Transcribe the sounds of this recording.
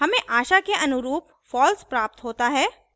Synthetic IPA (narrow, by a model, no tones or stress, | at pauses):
ɦɐmẽʔaːʃakeʔɐnʊɾuːp̚ | fɔːlspɾaːp̚t̪ɦoːt̪aɦɛː